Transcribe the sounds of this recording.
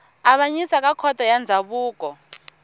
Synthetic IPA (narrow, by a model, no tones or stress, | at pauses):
aɓaɲisak̬ʼakʰɔtʼɔjand͡zʱaɓuːkʼɔ